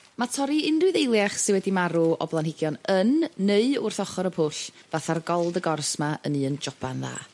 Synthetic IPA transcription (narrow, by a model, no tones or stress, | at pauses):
matʰɔɾiɪndʊðejlˠjaχsɨwɛdimaɾuɔ̰blˠanhɪɡjɔnənːeɨʊrθɔχɔɾəpʰʊɬ | vaθarɡɔlˠdəɡɔrsmaə̰nɨːənd͡ʒɔb̥anða̰ː